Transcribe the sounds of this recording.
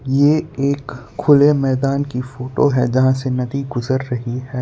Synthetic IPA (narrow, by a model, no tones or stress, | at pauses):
jeːeːkʰː | ʊlemɛːd̪aːnkifoːʈoɦɛd͡ʒɐɦãsenɐd̪iɡʊzəɾːɐɦiɦɛː